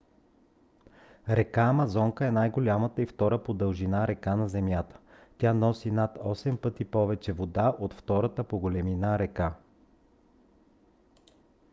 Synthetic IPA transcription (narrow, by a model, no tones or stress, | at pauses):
ɾɛkamɐzɔŋkəɛnajɡolʲamət̪əift̪ɔɾəpod̪əlˠʒinaɾɛkanɐzɛmjat̪ə̥ | t̪ʲanɔsinat̪ɔsɛmpɤt̪ipɔvɛt͡ʃɛvod̪aʔot̪ft̪ɔɾət̪əpoɡolɛminaɾɛka